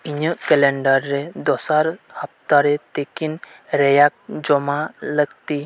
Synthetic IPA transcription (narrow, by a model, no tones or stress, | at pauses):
iɲəʔkɛlɛɳɖaɾːɛd̪ɔsaɾhəp̚ʰt̪aɾɛt̪ekinɾɛjak̚d͡ʒɔmaləɡt̪i